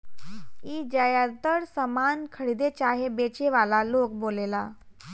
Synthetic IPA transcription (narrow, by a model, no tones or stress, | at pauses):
iːd͡ʑəjat̪əɽsəmankʰəɽid̪et͡ɕaɦebet͡ɕeʋalalok̚bolela